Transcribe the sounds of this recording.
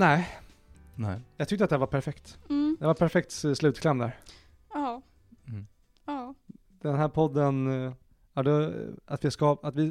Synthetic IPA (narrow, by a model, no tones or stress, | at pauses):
nɛː | ɛjɑːɡt̪ʰʏkt̪əat̪d̪ævaɾpʰæɾfɛkt̪ːd̪ɛvaɾpʰæɾfɛk̚t̪slʉ̟ːt̪kʰlɛmd̪æ̰ːɾ | ɑ | ɑ | d̪̥ɛnɦæːɾpʰɔd̪ːən | ad̪ɛat̪vɪskɑat̪vɪ